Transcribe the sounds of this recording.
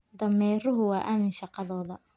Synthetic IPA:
d̪ɐmɛːrʊɦʊwɑːʔaːmɪnʃɑqɑðɔːðɐ

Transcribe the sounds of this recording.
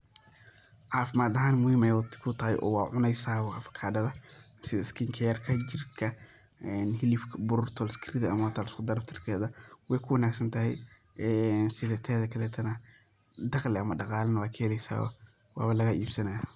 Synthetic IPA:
ʕaːfɪmaːd̪ɐɦaːnmʊhiːmɛjwt̪ʰkʰʊt̪ʰɐhɛ̰jʔɔ̰ːwɑːʕʊnɛjsaːwɑfɐ̥kʰaːdɐðɐ | sɪðɐskʰiŋkʰɛjɐrkʰɐd͡ʒɪrkʰɐ | ɛnɦɪlifkbʊɾʊrt̪ʰɔlskʰɾid̪ɐ̰mɐwat̪ʰaːlskʊd̪ɐɾft̪ʰɪrkʰɛːðɐwɛjkʰʊwɐnaːɡsɐnt̪ʰɐhɛj | ɛnsɪðɐt̪ʰɛːðɐkʰɐlɛːt̪ʰɐnɐ | d̪ɑqlɛɐmɐɖɑqɑːlɐnɐwaːkʰɛːlɛjsa̰ːwɐ̰ | wa̰ːβɐlɐɣɐʔiːbsɐnaja

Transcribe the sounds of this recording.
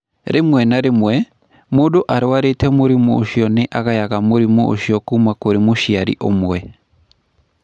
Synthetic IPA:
ɾʔemwɛnaɾemwɛ | moːdoʔaɾwaɾetɛmoɾimɔo̰ʃiɔneʔaɣajaɣamoɾimɔʔo̰ʃiɔkuːmakoɾemoʃiaɾḭʔomwɛ

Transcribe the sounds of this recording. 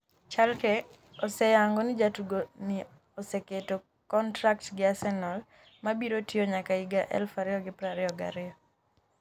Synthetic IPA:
t͡ʃalkɛ | ɔsɛjaŋɡɔnɪd͡ʒatuɡoni | ɔsɛketo | kɔntɾaktɡɪasɛnɔl | mabiɾotioɲakaiɡaʔɛ̰lfaɾɪɔɡɪpɾaɾɪɔɡa̰ɾɪɔ

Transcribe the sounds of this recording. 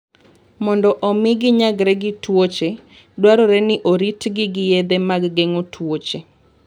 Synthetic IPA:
mɔndɔʔɔmɪɡɪɲaɡɾɛɡɪtwot͡ʃe | dwaɾɔɾɛnɪʔoɾitɡɪɡɪjed̪ɛmaɡɡɛŋotʰwot͡ʃe

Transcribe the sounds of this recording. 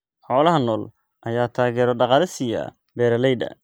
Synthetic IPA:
ħɔːlɐɦɐnɔːl | ʔɐjaːt̪ʰaːɣɛːɾɔɖɑqɑːlɪsɪjɐ̰ | bɛːɾɐlɛjd̪ɐ̰

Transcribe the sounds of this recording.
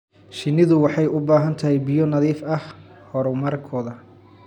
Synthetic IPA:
ʃɪnːɪðʊwɑħɑjʊbaːɦɐnt̪ʰɐɦɛjbɪjɔnɐðiːfɐh | hɔɾʊmɐɾkʰɔːðɐ

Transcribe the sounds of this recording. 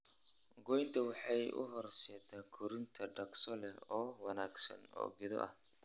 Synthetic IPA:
ɡɔjnt̪ʰɐwɑħɑjʊ̰ɦɔrsɛːt̪ʰaːkʰʊɾɪnt̪ʰɐɖɐksɔlɛɔːwɐnaːɡsɐ̰nɔ̰ːɡɪðɔ̰ʔɐ̰h

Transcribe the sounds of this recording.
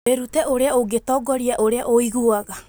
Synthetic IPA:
eɾutɛʔoɾeaoɡetɔɡɔɾiaʔoɾeaʔoiɣuaɣa

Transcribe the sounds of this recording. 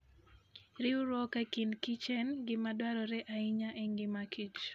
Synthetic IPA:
ɾɪuɾɔkakinkit͡ʃɛnɡɪmadwaɾɔɾɛʔaiɲaʔeŋɡɪmakʰit͡ʃ

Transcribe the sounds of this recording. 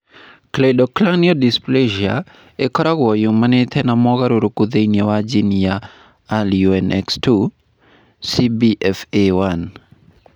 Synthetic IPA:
kledɔklaŋniɔdispleʒia | ekɔɾaɡwɔjuŋmanɪt̪ʰɛnamɔɡaɾoɾokud̪einjawad͡ʒinjaː | ljuɛnʔɛ̰kstu | sibiʔɛfewan

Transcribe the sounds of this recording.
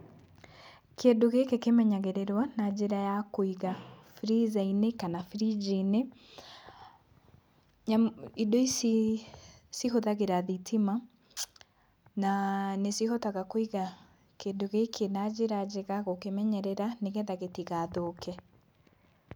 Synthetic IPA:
kendoɣekekemɛɲaɣeɾeɾwanad͡ʒeɾajakoiɣafɾizainekanafɾid͡ʒine | ɲaidois | siɦoðaɣeɾaðitʰima | nanesihɔtaɣakoiɣa | kendoɣekʰenad͡ʒeɾad͡ʒeɣaɣokemɛɲɛɾɛɾaneɣɛðaɣetiɣaðoːkʰɛ

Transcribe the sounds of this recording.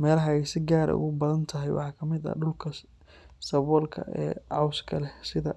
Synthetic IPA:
mɛːlɐɦɐɛjsɪɡaːɾɐ̰ʊ̰ɣʊbɐðɐnt̪ʰɐɦɛjwɑ̰ħɑːkʰɐmɪðɐ̰ɖʊlkʰɐ | sɐβɔːlkʰɐ̰ʔɛ̰ːʕɑwskʰɐlɛsɪðɐ

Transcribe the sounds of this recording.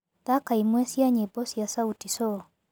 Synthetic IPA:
t̪akaimwɛsjaɲebɔsjasautisɔ

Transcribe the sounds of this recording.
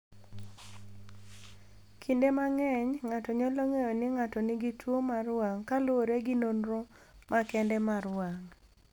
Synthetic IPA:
kʰindemaŋɛɲŋatɔɲɔloŋejonɪŋatɔnɪɡitwomarwaŋkaloɾeɡɪnonɾo | mʔakɛndɛmaɾwaŋ

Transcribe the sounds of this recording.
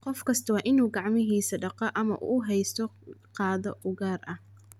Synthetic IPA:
qɔfkʰɐst̪ʰɐwɑːʔɪnuːɡɑʕmɪɦiːsɐɖɑqɐʔɐmɐ̰ʔṵːɦɛjst̪ʰɔqɑːðɔʊɣaːrɐh

